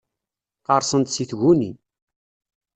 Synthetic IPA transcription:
qəɾˤsənt̪siθɣuni

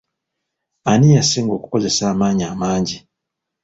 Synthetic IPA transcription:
anijaseːŋɡo̞ːku̥ko̞ze̞saːmaːɲaːmaːɲɟi

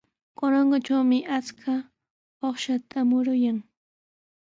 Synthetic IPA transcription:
koɾoɴɢot͡ʃawmɪʔat͡skʰa | oχʃat̪ʰamʊɾʊjaŋ

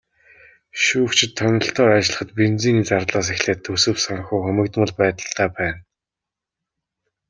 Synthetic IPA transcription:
ʃuːwt͡ɕʰɪ̆t̪ʰːœnʲɪ̆ɬt̪ɔːat͡ɕɪ̆ɮə̆χə̆t̪pent͡siːniːt͡sart̪ɮaːs̬exɮeːt̪ʰːɵsɵ̆psaŋ̆xuːxɵmʲɘ̆kt̪mə̆ɮpæːt̪ə̆ɬt̪aːpæːn

